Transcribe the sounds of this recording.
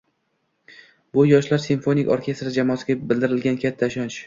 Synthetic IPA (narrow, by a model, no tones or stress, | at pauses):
bʊjɒʃlaɾsinfo̞nikʲoɾkʲʰe̞st̪ɾad͡ʒamɒːsɪɡʲabɪld̪ɪɾɪlɡʲankʲʰat̪ʰːaʃɒnt͡ʃ